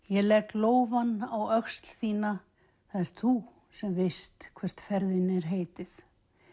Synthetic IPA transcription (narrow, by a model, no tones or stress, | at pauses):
jɛlɛkloːwvanːawœkst̪l̥θiːna | θaðɛɾ̥θu | sɛmvɪst̪kʰvɛr̥t̪fɛɾðɪnɛɾ̥ɦeːjt̪ɪθ